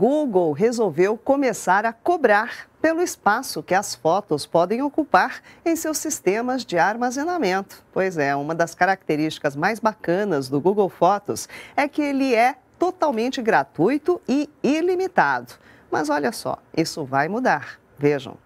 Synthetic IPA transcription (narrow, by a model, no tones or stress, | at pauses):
ɡuɡowɦezowvewkõmesaɾɐkobɾaɾpelʊispasʊkɪɐsfɔt̪ʊspɔd̪ẽj̃okupaɾẽj̃sewsist̪ẽmɐzd͡ʒɪaɾmazẽnamẽnt̪ʊ̥pojzɛũmɐd̪ɐskaɾak̚t̪eɾist͡ʃi̥kɐzmajzbakɐ̃nɐzd̪ʊɡuɡowfɔt̪ʊ̰sɛkɪelɪɛ | t̪ot̪awmẽnt͡ʃɪɡɾat̪ujt̪ʊɪilimit̪ad̪ʊ | mɐ̰zɔʎɐsɔ̰isʊvajmud̪aɾ | veʒɐ̰̃w̃